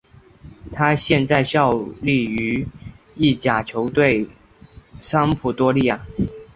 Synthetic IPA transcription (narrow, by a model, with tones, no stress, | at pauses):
t̪ʰa˥ɕjɛ˥˧nt͡sa˥˧ɪɕjɑ˥˧ʊli˥˩y˧˥ | i˥˩t͡ɕja˨˩t͡ɕʰjo˧˥ʊt̪we˥˩ɪ | sa˥ŋpʰu˨˩t̪wɔ˥li˥˩ja˨˩